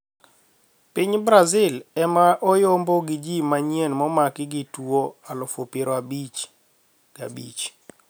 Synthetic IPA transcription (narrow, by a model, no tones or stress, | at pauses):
piɲbɾazɪlɛmaʔɔjomboɡɪd͡ʒimaɲienmɔmakɪɡɪtwoalɔfopɪɾɔabit͡ʃ | ɡa̰bḭt͡ʃ